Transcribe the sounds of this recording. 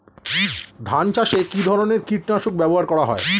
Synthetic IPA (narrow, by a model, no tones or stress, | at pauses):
d̪ʱant͡ɕaʃekid̪ʱɔɾoneɾkiʈnaʃuk̚bɛboɦaɾkɔɽaɦɔ̰e